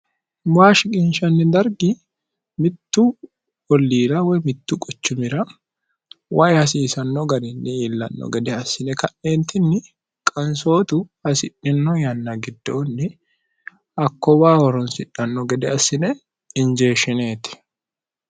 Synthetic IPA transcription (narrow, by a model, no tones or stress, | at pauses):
baːʃɪkʼɪnʃɐnːɪd̪ɐɾɡɪ | mɪt̪ːu | ɔlːiːɾawɛmɪt̪ːukʼɔt͡ʃːʊmɪɾɐ | wʔaːʔjɛhɐs̬iːsɐnːɔɡɐɾɪnːɪiːlːɐ̰nːɔ̰ɡɛd̪ɛɐsɪnɛkɐnːeːnt̪ɪnːɪ | kʼɐnso̞ːt̪ʊhɐsɪʔɪnːɔjɐnːaɡɪd̪ːoːnːɪ | ɐkːɔwaːwɔɾɔnsɪᶑɐnːɔɡɛd̪ɛɐsɪnɛ | ɪnd͡ʒe̞ːʃɪne̞ːt̪ɪ̥